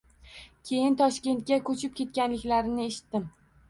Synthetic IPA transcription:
kʲʰe̞jɪnt̪ʰɒʃkʲe̞nt̪̚kʲakʰɵt͡ʃʰɪp̚kʲʰe̞t̪̚kʲanlɪkʲlaɾɪnɪeʃɪ̥t̪ːɪm

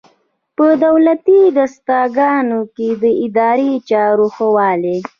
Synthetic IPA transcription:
pəd̪awlat̪id̪ast̪ɑɡɑnoked̪əɪd̪ɑɾet͡ʃɑɾoxəwɑle

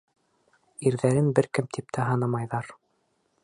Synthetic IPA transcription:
iɾðæɾɘnbɘɾkɘmt̪ʰip̚t̪ʰæɦɑnɑmɑjðɑɾ

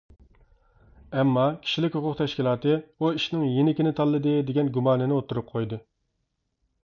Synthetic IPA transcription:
ɛmːɑkʲʰi̥ʃilɪkʲhʊqʰʊq̚t̪ʰɛʃkʲilˠɑːt̪ɨuiʃnɪŋjenɪkʲɪnɪt̪ʰɑlˠːɨd̪ɨd̪eɡʲɛnɡumɑːnɨnɪot̪ːuɾup̚qʰojd̪ɨ

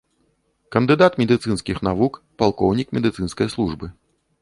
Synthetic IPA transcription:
kɐnd̪ɨd̪at̪mʲɛd̪ɨt̪sɨnskʲixnavuk | palˠkɔwnʲikmʲɛd̪ɨt̪sɨnskɐjslˠuʐbɨ

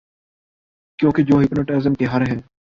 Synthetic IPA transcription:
kjõːked͡ʑoːɦɪpnəʈezəmkeɦɐɾɦɪnɪ̆

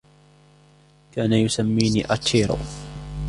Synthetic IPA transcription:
kaːnajʊsamːiːniːʔat̪ʰːiːɾʊ̰

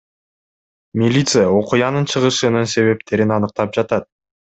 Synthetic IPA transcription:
mʲilʲit̪sɨjao̞qujɑnɯnt͡ʃʰɯʁɯʃɯnɯnse̞βe̞pt̪ʰe̞ɾinɑnɯq̚t̪ɑp̚d͡ʒɑt̪ɑt̪̚

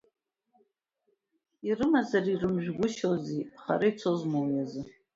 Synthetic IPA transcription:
irɨmazarirɨmʒᶣɡʷʊʃoziχa̰ɾait͡sʷʰozmowjazɨ

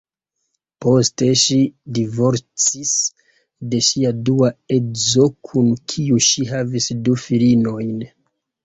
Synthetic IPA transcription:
po̞ste̞ʃidivo̞ɾt͡sis | de̞ʃiaduae̞zo̞kʰunkʰiuʃiɦavisdufilino̞jn

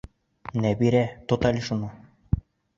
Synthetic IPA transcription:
næbiɾæt̪ŏt̪ɑlʲiʃunɤ

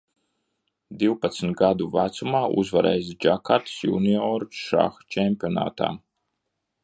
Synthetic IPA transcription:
d̪iwpat̪smt̪̚ɡad̪uvat̪sumaːṵzvaɾɛ̰jzd͡ʒakat̪sjṵːniɔɾʃa̰xt͡ʃɛmpʲiɔna̰ːt̪a̰ː

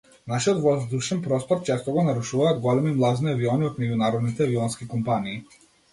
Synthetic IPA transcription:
naʃiɔt̪vɔzd̪uʃɛnpɾɔst̪ɔɾt͡ʃɛst̪ɔɡɔnaɾuʃuvaːd̪ɡɔlɛmimlˠazniaviɔniɔt̪mɛɟunaɾɔd̪nit̪ɛviɔnskikɔmpaniː

